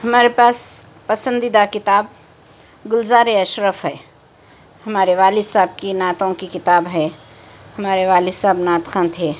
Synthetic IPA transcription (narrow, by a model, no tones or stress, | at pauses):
hɐmaːɾepaːs | pɐsə̃nd̪id̪akɪt̪aːb̚ | ɡʊlzaːɾeɐʃɾəfɦɛː | hɐmaːɾeʋaːlisaːb̚kinaːt̪õkikɪt̪aːbɦɛː | hɐmaːɾeʋaːlisaːbnaːt̪kʰãːnt̪ʰeː